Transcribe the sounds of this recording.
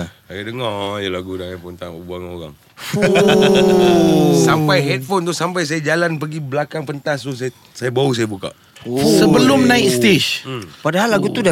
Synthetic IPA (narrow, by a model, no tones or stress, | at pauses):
sajadəŋɔjalaɡudaŋanpənt̪aŋṵbaŋo̰ɣa̰ŋ | sampajɦɛt̪̚font̪usampajs̬ajad͡ʒalanpəɡiblakaŋpənt̪ast̪usa | sajabaus̬ajabuka̰ʔ | səbəlʊmnãɪst̪eʃpadaɦalːaɡut̪uda